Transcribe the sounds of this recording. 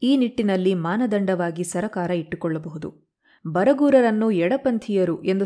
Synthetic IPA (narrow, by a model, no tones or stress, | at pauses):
iːniʈːinɐlːimaːnɐd̪ɐɳɖɐʋaːɡisɐɾɐkaːɾɐiʈːukɔɭːɐbɐɦud̪ṵ | bɐɾɐɡuːɾɐɾɐnːuɛɽɐpɐnt̪ʰijɐɾuʔe̞nd̪u